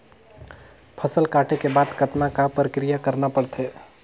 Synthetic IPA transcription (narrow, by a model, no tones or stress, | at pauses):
pʰɐsəlkaːʈʰekebaːd̪kɐt̪nakapɾəkɾijakɐɾnapɐɽt̪ʰeː